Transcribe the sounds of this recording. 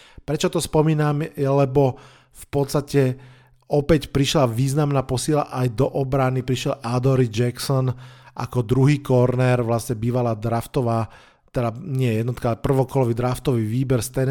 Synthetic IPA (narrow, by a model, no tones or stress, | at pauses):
pɾɛt͡ʃɔt̪ɔspɔmiːnamɛlɛbɔ | fpɔt̪st̪acɛ | ɔpɛcpɾiʃlaʋiːznamnaːpɔsiːla̰ʔajd̪ɔʔɔbɾanipɾiʃjɛlʔad̪ɔɾid͡ʒɛksɔnʔa̰kɔd̪ɾuɦiːkɔɾnɛɾʋlasɲɛbiːʋalaːd̪ɾaft̪ɔʋaː | t̪ɛd̪aɲɛjjɛd̪nɔt̪kaalɛpr̩ʋɔkɔlɔʋid̪ɾaft̪ɔʋiʋiːbɛɾst̪ɛn